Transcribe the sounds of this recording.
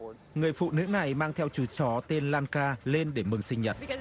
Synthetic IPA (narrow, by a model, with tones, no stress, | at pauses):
ŋɨ˨˩əjfṵ˧˨nɨ̰˧˥na˨˩jmaː˧ŋt̪ʰɛ˧wt͡ɕu˨˦t͡ɕɔ˨˦t̪e˧nlaː˧nkaː˧le˧nɗe˧˩mɨ˨˩ŋsï˧ŋ̟ɲə˨˩t̚